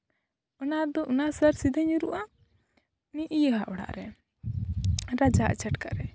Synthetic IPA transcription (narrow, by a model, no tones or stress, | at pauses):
ɔnad̪ɔʔunasəɾsid̪aɲuɾuʔa | niʔijəɦaʔɔɽa̰ʔɾɛ | ɾad͡ʒaʔt͡ʃaʈka̰ʔɾɛ